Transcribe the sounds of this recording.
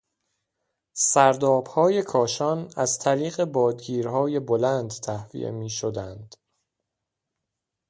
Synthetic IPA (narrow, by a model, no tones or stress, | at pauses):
sæɾd̪ɒːb̥hɒːje̞kʰɒːʃɒːnæz̥t̪ʰæɾiːɣe̞bɒːd̪ɡiːɾɦɒːje̞bolænd̪t̪ʰæhvḭʔḛmiːʃod̪ænd̪̥